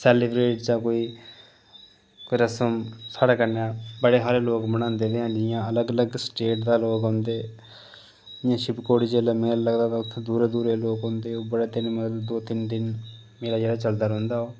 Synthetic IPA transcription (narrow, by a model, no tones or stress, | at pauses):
sɛːlɪbɾeːʈd͡ʒãːkoːiː | koiɾəsəmsaːɽaːkəɾnaːbəɽeːɦaːleːloːkməɽ̃ãːnd̪eːd̪eːɦãːd͡ʒɪɪjãːələɡələɡsʈeːʈd̪aːloːkɦõːnd̪eː | d͡ʒɪjãːʃɪbkoːɽiːd͡ʒeːlaːmeːlləɡd̪aːt̪aʊt̪ʰːẽd̪uːɾeːd̪uːɾeːloːkɦõːnd̪eːoːbəɽaːt̪ɪnmət̪ld̪oːt̪ɪnd̪ɪn | meːlaːd͡ʒeːɽaːt͡ʃəld̪aːɾõːnd̪aːɦoː